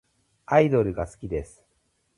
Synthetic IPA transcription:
aid̪o̞ɾɯ̟ɡasɨ̥kʲid̪e̞sɨ̥

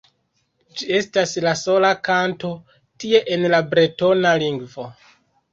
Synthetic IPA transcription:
d͡ʒie̞staslaso̞lakanto̞ | tie̞ʔenlabɾeto̞naliŋɡvo̞

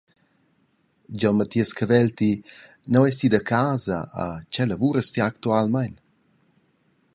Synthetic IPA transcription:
d͡ʒɔnmat̪iəskəvɛlt̪i | nawɛs̬t̪id̪əkʰaːzə̰ə̰t͡ʃɛləvuɾəst̪iakt̪ualmajn

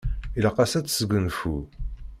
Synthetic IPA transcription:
iləqɑsæt͡sːsəɡʷənfu

